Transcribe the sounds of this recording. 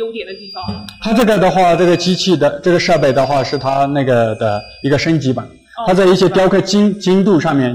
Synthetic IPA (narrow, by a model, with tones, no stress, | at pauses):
t̪ʰa˥ʈ͡ʂɤ˥˩ɡə˩d̪ə˩xwa˥˩ʈ͡ʂɤ˥˩ɡə˩t͡ɕi˥t͡ɕʰi˥˩d̪ə˩ʈ͡ʂɤ˥˩ɡə˩ʂɤ˥˧pe˥˩ɪd̪ə˩˨xwa˥˧ʂɻ̩˥˩t̪ʰa˥na˥˩ɪɡə˩d̪ə˩ | i˧˥ɡə˧ʂə˥nt͡ɕi˧˥ba˨˧˩ | t̪ʰa˥t͡sa˥˧ɪi˥˩ɕjɛ˥p̪jɑ˥ʊkʰɤ˥˩t͡ɕi˥ŋt͡ɕi˥ŋt̪u˥˧ʂɑ˥˧ŋmjɛ˥˩n